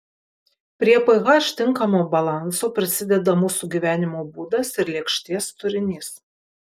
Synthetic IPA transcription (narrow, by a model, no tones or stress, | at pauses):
pʲɾʲiɛpɐɪɣɐʃʲt̪ʲɪŋˑkɐmoːbɐlˠɑˑnsoːpʲɾʲɪsʲɪd̪ʲɛd̪ɐmʊsʊɡʲiːʋʲæːnʲɪmoːbuːd̪ɐsɪɾlʲiɛkʃʲt̪ʲiɛst̪ʊɾʲɪnʲɪs